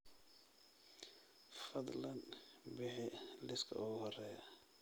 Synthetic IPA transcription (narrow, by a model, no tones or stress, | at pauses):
fɐd̪ˤlɐnbɪħɪlɪskʰɐ̰ʊɣʊhɔrɛːjɐ